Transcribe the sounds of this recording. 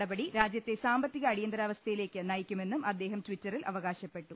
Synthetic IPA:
ɽɐbɐɽiɾaːd͡ʑjɐt̪ːe̞saːmbɐt̪ːiɣɐːɽijɐnd̪ɾaːʋɐst̪ʰɐjileːkʲːɨnɐjikʲːume̞nːumɐd̪ːe̞ːɦɐmtwitːɐrilʔɐʋɐɣaːɕɐpːe̞ʈːu

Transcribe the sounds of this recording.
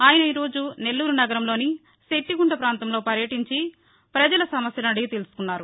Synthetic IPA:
aːjɐnɐiːɾo̞ːd͡ʒune̞lːuːɾunɐɡɐɾɐmlo̞ːni | se̞ʈːiɡuɳɖɐpɾaːnt̪ɐmlo̞ːpɐɾjɐʈiɲt͡ʃi | pɾɐd͡ʒɐlɐsɐmɐsjɐlɐɽit̪e̞lusu̥kunːaːɾu

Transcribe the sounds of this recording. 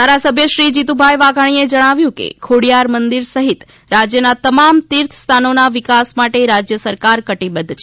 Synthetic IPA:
d̪ʱaɾasəbʱjəʃɾid͡ʒit̪ubʱajʋaɡʱaɽ̃ied͡ʒəɽ̃aʋjũkḛkʰoɽijaɾmənd̪iɾsəɦit̪ | ɾad͡ʒjənat̪əmamt̪iɾt̪ʰst̪ʰanonaʋikasmaʈeɾad͡ʒjəsəɾkaɾkəʈibəd̪ʱt͡ʃʰ

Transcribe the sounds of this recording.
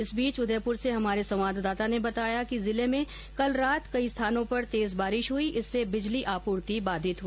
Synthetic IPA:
ɪsbiːt͡ʃʊd̪ʱəeːpʊɾseɦɐmaːɾesɐ̃ʋ̃ʋaːd̪d̪aːt̪anebɐt̪aːjakizɪlemẽ | kɐlɾaːt̪kɐist̪ʰaːnõpɐɾt̪eːzbaːɾɪʃɦʊiʔɪsːebɪd͡ʒliʔaːpuːɾt̪ibaːd̪ʱɪt̪ɦu

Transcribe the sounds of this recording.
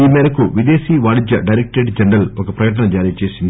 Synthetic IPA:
iːmeːɾɐkːuʋid̪e̞ːsiːʋaːɽid͡ʒjɐɖɐjɾek̚ʈeːʈd͡ʒɐɳɖɐlokɐpɾɐkɐʈ̬ɐɳɐd͡ʒaːɾiːt͡ʃe̞ːsind̪i

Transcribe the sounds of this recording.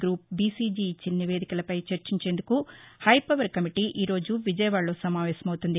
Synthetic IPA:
ɡɾuːp̚biːsiːd͡ʒiːt͡ʃːinɐniʋe̞ːd̪ikɐlɐpɐjt͡ʃɐɾt͡ʃiɲt͡ʃe̞ːnd̪ukuhɐjpɐʋɐɾkɐmiʈiʔiːɾo̞ːd͡ʒuʋid͡ʒɐjɐʋaːɭːo̞ːsɐmaːʋɛːsɐmɐwut̪und̪i

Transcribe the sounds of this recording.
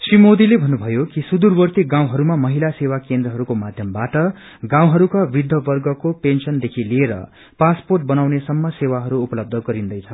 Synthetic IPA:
srimod̪ilebʱʌnːubʱʌjokisud̪urbʌrt̪iɡãw̃ɦʌɾumamʌɦilasewakend̪ɾrʌɦʌɾukomad̪ʱjʌmbaʈʌ | ɡãw̃ɦʌɾukabid̪ʱjʌbʌrɡʌkopensʌnd̪ekʰilieɾʌ̰ | pasporʈ̚bʌnawnesʌmːʌsewaɦʌɾuːpʌlʌb̚d̪ʱʌɡʌɾind̪ʌjt͡sʰʌ

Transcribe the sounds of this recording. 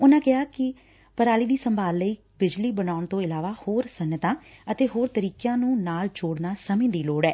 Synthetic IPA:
ʊnãːkɪɦaːkɪ | pəɾaːliːd̪iːsəmbʱaːlːəiː | bɪd͡ʒliːbənaːʊɳt̪õːɪlaːʋaːhoːɾsənːət̪ãːət̪eːɦoːɾt̪əɾiːkjãːnũːnaːld͡ʒoːɽnaːsəmĩːd̪iːloːɽɛː

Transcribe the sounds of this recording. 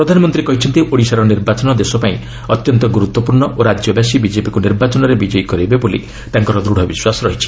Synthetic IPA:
pɾɔd̪ʱanɔmɔnt̪ɾiekɔɦit͡ʃʰɔnt̪ioɽisaɾɔniɾbat͡ʃɔnɔd̪esɔpaĩ | ɔt̪jɔnt̪ɔɡuɾut̪wɔpuɾɳɔʔoɾad͡ʒjɔbjasibid͡ʒepikuniɾbat͡ʃɔnɔɾebid͡ʒɔjkɔɾibebolḭ | t̪aŋkɔɾɔd̪ɾuɽ̤ʱɔbiswasɔɾɔɦit͡ʃʰi̥

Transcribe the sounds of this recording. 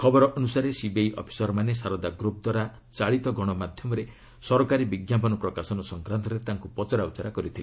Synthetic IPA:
kʰɔbɔɾɔʔɔnusaɾesibejʔɔ̰pʰi̥sɔɾɔmanesaɾɔd̪aɡɾup̚d̪waɾa | t͡ʃaɭit̪ɔɡɔɽ̃ɔmad̪ʱjɔmɔɾe | sɔɾɔkaɾibiɡjapɔnɔpɾɔkasɔnɔsɔŋkɾant̪ɔɾet̪aŋkupɔt͡ʃɔɾaut͡ʃɔɾakɔɾit̪ʰili

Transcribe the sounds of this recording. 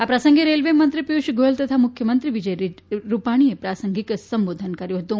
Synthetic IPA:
apɾəsəŋɡeɾelʋemənt̪ɾipjuʃɡʱoəlt̪ət̪ʰamukʰjəmənt̪ɾiʋid͡ʒəjɾiɾupaɽ̃iepɾasəŋɡiksəmbod̪ʱənkəɾjũɦət̪ũ

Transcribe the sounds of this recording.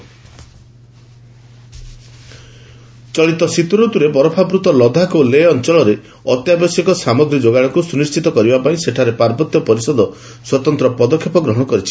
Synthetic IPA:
t͡ʃɔɭit̪ɔsit̪uɾot̪uɾepɔɾɔpʰabɾut̪ɔlɔd̪ʱakoleɔnt͡ʃɔɭɔɾe | ɔt̪jabɔsjɔkɔsamɔɡɾid͡ʒoɡaɭ̃ɔŋkusunist͡ʃit̪ɔkɔɾibapaĩseʈʰaɾepaɾbɔt̪jɔpɔɾisɔd̪ɔ | swɔt̪ɔnt̪ɾɔpɔd̪ɔkʰːjepɔɡɾɔɦɔɽ̃ɔkɔɾit͡ʃʰi̥

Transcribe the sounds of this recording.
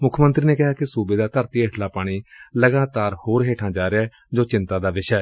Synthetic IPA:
mʊkʰmə̃nt̪ɾiːneːkɪɦaːkɪsuːbeːd̪aːt̪əɾt̪iːeʈʰlaːpaːɽ̃iːləɡaːt̪aːɾhoːɾɦeːʈʰãːd͡ʒaːɾeaː | d͡ʒoːt͡ʃɪ̃nt̪ãːd̪aːʋɪʃɛɛː

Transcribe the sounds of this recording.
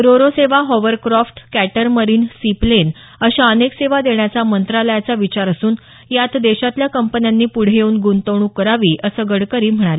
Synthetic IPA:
ɾoɾoseʋaɦɔʋəɾkɾɔfʈkæʈəɾməɾiːnsiplen | əɕaənekseʋad̪eɳjat͡samənt̪ɾaləjat͡saʋit͡ɕaɾəsuːn | jat̪d̪eɕat̪ljakəmpənjanːiːpuɽ̤jeuːnɡunt̪əʋɳuːkəɾaʋiːʔəsəːɡəɽkəɾiːm̤əɽ̃ale

